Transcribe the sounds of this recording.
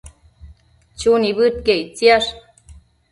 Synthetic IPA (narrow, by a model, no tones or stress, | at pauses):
t͡ʃuniβɨt̪̚keit͡siaʂ